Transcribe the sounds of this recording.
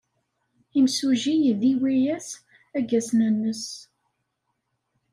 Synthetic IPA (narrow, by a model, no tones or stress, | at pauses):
imsuʒijðiwijæs | æɡæsnənːəs